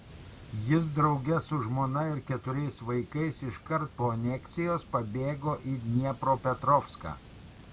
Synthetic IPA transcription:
jɪs̬d̪ɾɒʊɡʲɛsʊʒmoːnɐɪɾkʲɛt̪ʊɾʲɛɪsʋɐɪkɐɪsɪʃkɐɾt̪̚poːɐnʲɛktsʲɪjoːspɐbʲeːɡoːʔiːnʲiɛpɾoːpʲɛt̪ɾɔːfska̰ː

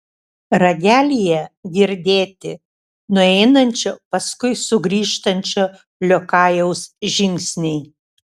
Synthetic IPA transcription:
ɾɐɡʲæːlʲijɛɡʲiɾʲd̪ʲeːt̪ʲɪ | nʊɛɪnɐnʲt͡ʃʲoːpɐskʊɪsʊɡɾʲiːʃt̪ɐnʲt͡ʃʲoː | lʲokɑːjɛʊsʒʲɪŋʲksʲnʲɛɪ

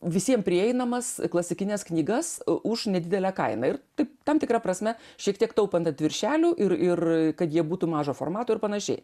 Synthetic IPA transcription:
ʋʲɪsʲiɛmpʲɾʲɪɛɪnɐmɐsklˠɐsʲɪkʲɪnʲɛsknʲiːɡɐsʔʊʃnʲɛd̪ʲɪd̪ʲɛlʲæːkɐɪnɐɪrt̪ɐɪpt̪ɐmt̪ʲɪkɾɐpɾɐsʲmʲɛʃʲiɛkt̪ʲiɛkt̪ɐʊpɐnt̪ɐt̪ʲʋʲɪɾʲʃʲæːlʲuːʔɪrɪrkɐt̪jiɛbuːt̪uːmɑːʒoːfo̰ːrmɑːt̪oːɪɾpɐnɐʃʲɛ̰ɪ

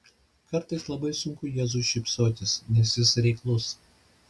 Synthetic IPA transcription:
kɐɾt̪ɐɪslˠɐbɐɪsʊŋkʊjɛːzuːʃʲɪpsoːt̪ʲɪsnʲɛsʲɪsɾʲɛɪklˠʊs

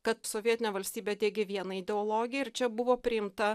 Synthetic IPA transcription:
kɐt̪soʋʲiɛt̪ʲɪnʲeːʋɐlʲsʲt̪ʲiːbʲed̪ʲeːɡʲeʋʲiɛnɐɪd̪ʲɛoːlˠoːɡʲɪjɛɪɾt͡ʃʲɛbʊʋoːpʲɾʲɪɪmt̪ɐ

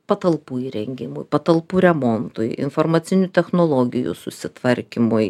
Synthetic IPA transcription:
pɐt̪ɐlˠpuːiːɾʲɛŋʲɡʲɪmʊjpɐt̪ɐlˠpuːɾʲɛmont̪ʊjɪ̰nformɐt̪sʲɪnʲut̪ʲɛxnoːlˠoːɡʲɪjṵsʊ̰sʲɪt̪ʋɐɾʲkʲɪmʊj

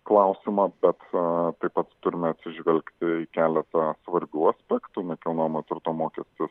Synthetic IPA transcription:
klˠɐʊsʲɪmɐb̥ʲɛt̪t̪ɐɪpɐt̪t̪ʊɾʲɪmʲɛɐt̪ʲsʲɪʒʲʋʲɛlʲkt̪ʲɪikʲæːlʲɛt̪ɐsʋɐɾʲbʲuːɐsʲpʲæːkt̪ʊnʲɛkʲɛʊnomɐt̪ʲɪrt̪oːmoːkʲɛsʲt̪ʲɪs

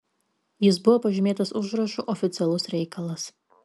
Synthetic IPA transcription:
jɪs̬bʊʋopɐʒʲɪmʲeːt̪ɐsʊʒɾɐʃuʔɔfʲɪt̪sʲɛlˠʊsɾʲɛɪkʰɐlˠɐs

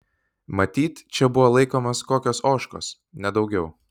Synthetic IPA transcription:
mɐt̪ʲiːt̪ʲt͡ʃʲɛbʊʋoːlˠɐɪkoːmoskoːkʲoːsoːʃko̰ːs | nʲɛd̪ɒʊɡʲɛʊ

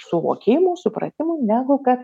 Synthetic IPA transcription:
sʊʋo̰ːkʲeːjɪmusʊpɾɐ̰t̪ʲɪmʊɪnʲæːɡʊkɐt̪

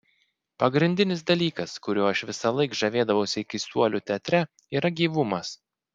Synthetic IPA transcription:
pɐɡɾʲɪnʲd̪ʲɪnʲɪsd̪ɐlʲiːkɐskʊɾʲuːɪʃʋʲɪsɐlˠɐɪkʒɐʋʲeːd̪ɐʋɐʊsʲɪɪkʲɪsuɔlʲuːt̪ʲɛt̪ʲɾʲɛ | iːɾɐɡʲiːʋʊmɐs

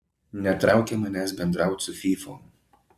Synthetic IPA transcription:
nʲɛt̪ɾʔɑˑʊkʲemɐnʲæs̬bʲɛnd̪ɾɑˑʊt̪sʊfʲiːfoː

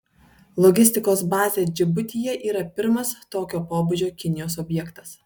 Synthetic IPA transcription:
lˠɔɡʲɪsʲt̪ʲɪkoːsbɑːzʲeːd͡ʒʲɪbʊt̪ʲiːjɛʔiːɾɐpʲɪɾmɐst̪oːkʲoːpoːbʊd͡ʒʲoːkʲɪnʲɪjoːs̬ɔbʲjɛkt̪ɐ̥s

